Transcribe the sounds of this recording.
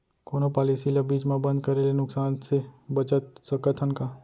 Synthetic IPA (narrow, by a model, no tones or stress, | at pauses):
koːnopaːlisilabiːt͡ʃmãbə̃nd̪kəɾelenʊksaːnsebət͡ʃət̪̚səkət̪ʰənka